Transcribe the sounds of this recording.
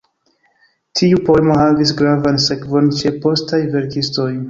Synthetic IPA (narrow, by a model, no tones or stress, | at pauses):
tʰiupo̞e̞mo̞havisɡɾavanse̞kvo̞nt͡ʃe̞po̞stajve̞ɾkisto̞j